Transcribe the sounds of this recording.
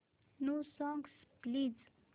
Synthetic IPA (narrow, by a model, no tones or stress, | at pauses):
nosɔŋɡsplid͡z